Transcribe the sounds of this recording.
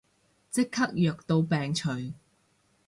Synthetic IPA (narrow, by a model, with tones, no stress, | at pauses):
t͡sɪ˥kʰːɐ˥k̚jœː˨k̚t̪o˧wpɛː˨ŋt͡ʃʰɵ˨ɥ